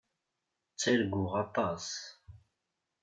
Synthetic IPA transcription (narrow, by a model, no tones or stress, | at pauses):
t͡sːilɡuʁɑt̪ˤɑs